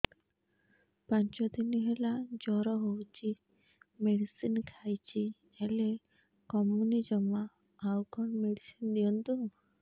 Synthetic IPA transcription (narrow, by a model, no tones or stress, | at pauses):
paɲt͡ʃɔd̪iniɦelad͡ʒɔɾɔɦowt͡ʃʰi | meɽisinkʰajt͡ʃʰi | ele | kɔmunid͡ʒɔmaː | wkɔɳmeɽisind̪iɔnt̪u